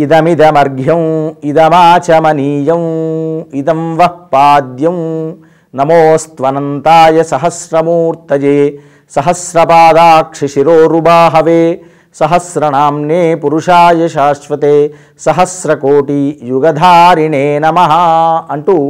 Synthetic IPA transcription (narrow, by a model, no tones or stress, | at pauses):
id̪ɐmid̪ɐmɐɾɡʱjɐ̃wid̪ɐmaːt͡ʃɐmɐniːjɐw | id̪ɐmʋɐpːaːd̪jɐm | nɐmoːst̪ʋɐnɐnt̪aːjɐsɐɦɐsɾɐmuːɾt̪ɐd͡ʒeː | sɐɦɐsɾɐpaːd̪aːkʂiʃiɾoːɾubaːɦɐʋeː | sɐɦɐsɾɐnaːmneːpuɾuʂaːjɐʃaːʃʋɐt̪eː | sɐɦɐsɾɐkoːʈijuɡɐd̪ʱaːɾiɳeːnɐmɐɦɐ̆ɐɳʈu